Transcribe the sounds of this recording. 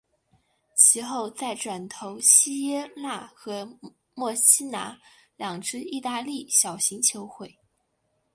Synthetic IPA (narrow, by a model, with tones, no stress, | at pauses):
t͡ɕʰi˧˥xo˥˧ʊt͡sa˥˩ɪʈ͡ʂwa˨˩nt̪ʰo˧˥ʊɕi˥jɛ˥la˥˩xɤ˧˥ | mwɔ˥˩ɕi˥na˧˥ljɑ˨˩ŋʈ͡ʂɻ̩˥i˥˧t̪a˥˧li˥˩ɕjɑ˨˩ʊɕi˧˥ŋt͡ɕʰjo˧˥ʊxwe˥˩ɪ